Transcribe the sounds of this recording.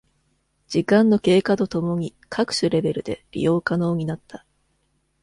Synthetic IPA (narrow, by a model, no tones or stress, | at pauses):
d͡ʑ̥ikãnːo̞ke̞ːkat̪o̞t̪o̞mo̞ɲ̟i | kʰakɯ̟̥ɕɨɾe̞be̞ɾɯ̟d̪e̞̰ɾʲḭjo̞ːkano̞ːɲ̟inat̪ːa